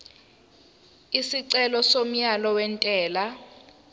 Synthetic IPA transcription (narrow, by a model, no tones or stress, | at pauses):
isiǀɛlɔsom̩jalɔwɛntʼɛːla